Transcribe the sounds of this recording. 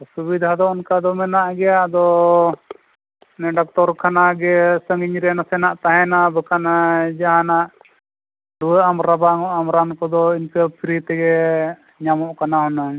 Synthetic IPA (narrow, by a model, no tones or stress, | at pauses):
subid̪ʱad̪ɔɔnkad̪ɔmɛnaʔɡɛjad̪ɔ | nɛɖak̚t̪ɔɾkʰanaɡɛsəŋɡiɲɾɛnasɛnaʔt̪aɦɛnabəkʰanad͡ʒaɦanaʔ | ɖuwəamɾabaŋɔʔamɾankɔd̪ɔinkɛpʰiɾit̪ɛɡɛ | ɲamɔʔkanaɦɔna